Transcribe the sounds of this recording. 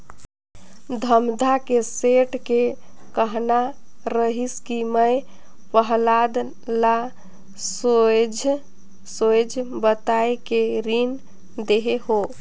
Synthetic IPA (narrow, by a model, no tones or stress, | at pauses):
d̪ʱəmd̪ʱakeseʈke | kəɦna | ɾəɦiskiməj | pəɦlad̪ | la | sod͡ʒʱ | sojd͡ʒʱbət̪aekeɾin | d̪eɦeɦo